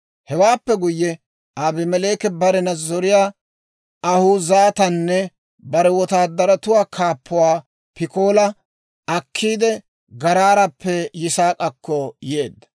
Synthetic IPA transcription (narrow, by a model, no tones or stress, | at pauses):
hɛwaːpːɛɡʊjːɛ | aːbɪmɛle̞ːkɛbɐɾɛnɐzːɔɾɪjaː | ɐhʊzaːt̪ɐnːɛ | bɐɾɛwɔt̪aːd̪ːɐɾɐt̪ʊwaːkʰaːpːʊwaː | pɪkoːlɐ | ɐkʰːiːd̪ɛ | ɡɐɾaːɾɐpːɛjɪsaːkʼɐkːɔjeːd̪ːɐ̥